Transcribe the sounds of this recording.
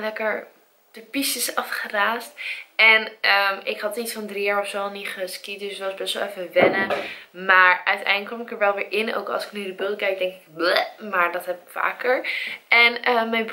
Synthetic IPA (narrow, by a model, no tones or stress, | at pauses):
lɛkəɹ | d̥əpistəsɑfχəraːstɛnəmɪkɦɑtitsfɑndrijaːɹɔfsolˠniχəskit̚dɵsətʋɑsbɛsʋɛlˠɛfəʋɛnəmaːɹœɥtɛ̰jndləkːɔmɪkəɹʋɛlˠʋɪːɹʔɪno̰wkɑ̰lˠsɪ̥knydəbølˠtkɛjk̚dɛŋkɪkbmaːɹdɑtɦɛpɪ̥kfa̰ːkəɹʔɛnəmɛjnb